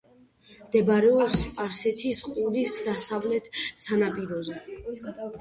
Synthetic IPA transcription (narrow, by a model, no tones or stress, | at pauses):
md̪ɛbaɾɛɔpspʼaɾsɛt̪ʰisqʼulisd̪asavlɛt̪ʰsanapʼiɾɔzɛ